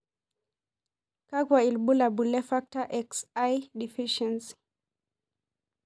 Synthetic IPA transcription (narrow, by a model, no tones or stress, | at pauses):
kakwailbulabulɛfak̚taʔɛksajdifiʃɛns